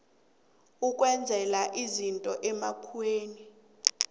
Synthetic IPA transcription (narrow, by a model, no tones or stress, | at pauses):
ukʼwɛnd͡zʱɛlaʔizintʼɔʔɛmakʰueːni